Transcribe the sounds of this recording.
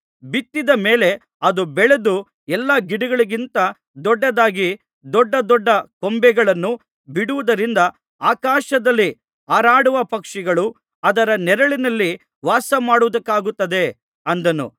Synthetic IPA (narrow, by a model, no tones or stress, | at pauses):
bit̪ːid̪ɐme̞ːle̞ | ɐd̪ubɛɭe̞d̪u | ɛlːɐɡiɽiɡɐɭiɡint̪ɐ | d̪ɔɖːɐd̪aːɡi | d̪ɔɖːɐd̪ɔɖːɐkombɛɡɐɭɐnːu | biɽuʋud̪ɐɾind̪ɐ | aːkaːʃɐd̪ɐlːi | aːɾaːɽuʋɐpɐkʂɛɡɐɭu | ɐd̪ɐɾɐnɛɾɐɭinɐlːi | ʋaːsɐmaːɽuʋd̪ɐkːaːɡut̪ːɐd̪e̞ | ɐnd̪ɐnṵ